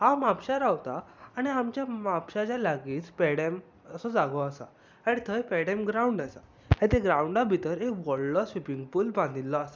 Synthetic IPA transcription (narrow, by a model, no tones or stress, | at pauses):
hãmapɕaɾawt̪aːɽ̃iamt͡ɕjamapɕat͡ɕjalaɡiːt͡spɛɽem | əsɔd͡zaɡɔasa̰ | aɽ̃it̪ʰəjpɛɽɛmɡɾauɳɖajsa | ɦẽt̪eɡɾauɳɖabʱit̪əɾekʋɔɭlɔsʋipiŋɡpuːlbãnd̪ilːɔasḁ